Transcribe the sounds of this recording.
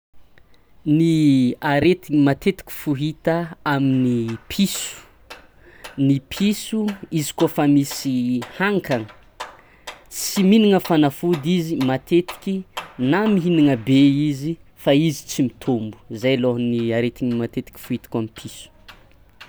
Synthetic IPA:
niaɾet̪iŋimat̪et̪i̥kʲi̥fuɦit̪aaminipʰisu̥ | nipʰisuizi̥kofamisihaŋkʰaŋə | siminiŋəfanafud̪izimat̪ʰet̪i̥kʲinamiɦiniŋəbeizifaizit͡simit̪ʰumbu̥zajloɦniaɾet̪iŋimat̪et̪i̥kʲi̥fuɦit̪ḁkʲamipʰisu̥

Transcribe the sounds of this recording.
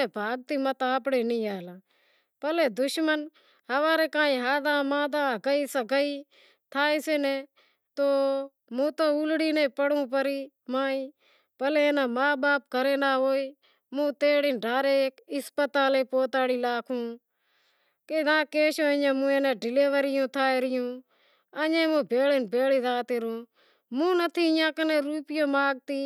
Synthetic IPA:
eːbʱaːɡ̚t̪iːmət̪aːpɽeːnĩːaːlãː | pəleːd̪ʊʃmən | həʋaːɾeːkãːĩːɦaːd̪ãːmãːd̪ãːkəiːsaːkəiː | t̪ʰaːiːseːnɛː | t̪oː | mũːt̪oːʊlɽiːnẽːpəɽũːp̬əɾiː | maːĩː | pəleːeːnãːmaːbaːp̚kəɾeːnaːɦoːiː | mũːt̪eːɽɪːnɖʱaːɾeːkɪspət̪aːleːpoːt̪aːɽiːlaːkʰũː | keːd̪ãːkeːʃoːəɲãːmũːẽːnãːɖɪleːʋəɾɪjõːt̪ʰaːeːɾɪjũː | əɲẽːmõːbʱeːleːnbʱeːliːzaːt̪eːɾõː | mũːnət̪ʰiːɪjãːkəneːɾuːpɪjõːmaːɡ̚t̪iː

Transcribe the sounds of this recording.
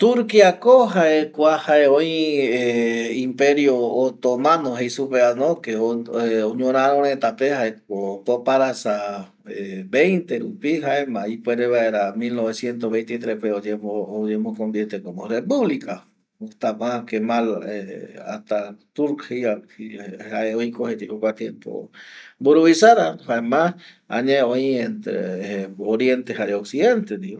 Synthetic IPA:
t̪uɾkiakoɦaʔekʷahaeojeimpeɾjoːt̪omãnoɦejsupeanõkeooɲõɾ̃ãɾoɾ̃et̪apehaekopopaɾasa | ebejnt̪eɾupiɦaʔemãipweɾeβaeɾamilnoβesjent̪oβejnt̪it̪ɾehpeod͡ʒemood͡ʒemokond̪jet̪ekomorepuβlika | ot̪amakemalea̰ht̪at̪uɾkhiaihaeoikohet̪ikokʷat̪jempo̰buɾuβisaðahaemas | a̰ɲeoient̪ɾḛoɾjent̪ehaɾeoksiðent̪ed̪i

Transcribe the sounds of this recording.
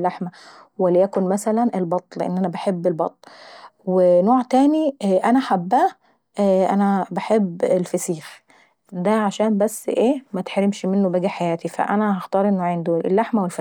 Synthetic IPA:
lːaħmæ | welijækonmæsælænʔelbɑt̪ˤleʔḛnːʔænæbaħebːelbɑt̪ˤlwenoːʕt̪æːniʔænæħabːæː | ʔænæbaħebːelfæsiːx | d̪æʕaʃæːmbæsːʔeːmæt̪ħaɾemʃmenːobæɡæħajæːt̪ifæ̰ʔænæhɑxt̪ɑːɾˤʔenːoʕend̪oelːaħmæwelf

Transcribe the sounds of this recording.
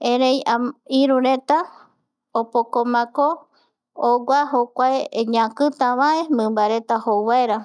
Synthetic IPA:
ẽɾejaiɾũɾe̞t̪a | opokomãkoː | ɡʷaɦokʷaeɲãkɨt̪ãβae̞mɨ̃mbaɾe̞t̪ahowaeɾa

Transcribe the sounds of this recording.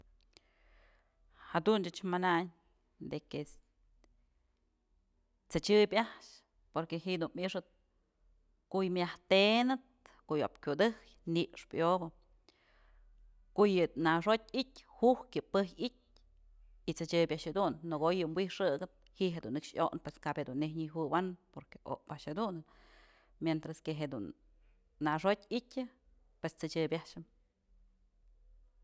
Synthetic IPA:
had̪unt͡ʃɨt͡ʃmanaɲ | d̪eke | t͡sɨt͡ʃɨbʲaʔʃ | poɾkeɦiʔd̪unmiʂɨt̪̚ | kojmʲjaht̪enɨt̪̚koʔjo̰p̚kʲud̪ɨkjniʔʂpjobɨ | kojɨnaʂot̪̚ʲit̪ʲhuhkɨpɨhit̚ʲ | it͡sɨt͡ʃɨbʲjaʔʃhed̪unːɨɡojɨmbʷwihʂɨɡɨt̪̚hiʔɦed̪unːɨkʂjo̰ʔnpweskabhed̪unːehɲiɦɨwanpoɾke̥ʔo̰ʔpaʔʃed̪unɨ | mjent̪ɾaskeɦed̪unː | aʂot̪ʲitʲɨ | pwest͡sɨt͡ʃɨbʲjaʃɨm

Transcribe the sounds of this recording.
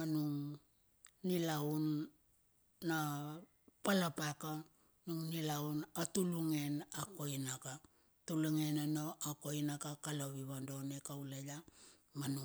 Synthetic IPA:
manuŋ | nilaun | a | palapaka | nuŋnilaunatuluŋe̞nako̞jnaka | tuluŋe̞nanoʔako̞jnakakalaβiβando̞ne̞kawlaja | manu

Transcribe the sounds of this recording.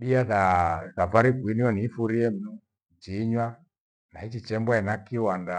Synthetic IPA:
ɗiaðaðavaɾikwiniɔnifuɾiɛm̩nu | d͡ʒiɲwa | nahit͡ʃit͡ʃɛmbaɛnakiwanda

